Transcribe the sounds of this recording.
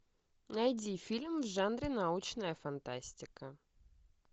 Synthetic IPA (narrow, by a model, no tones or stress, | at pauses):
nɐjdʲifʲilʲmvʐanɾʲɪnɐut͡ɕnəjəfɐnt̪asʲtʲɪkə